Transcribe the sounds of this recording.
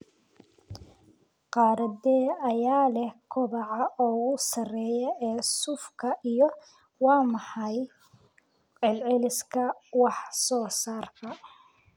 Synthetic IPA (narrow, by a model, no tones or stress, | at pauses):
qɑːɾɐd̪ɛːɐjaːlɛhkʰʊβɑʕɑʔɔːɣʊsɐrɛːjɛʔɛːsʊfkʰɐʔijɔ | wɑːmɑħɑj | ʕɪlʕɪlɪskʰɐwɑħsɔːsaːrtʰɐ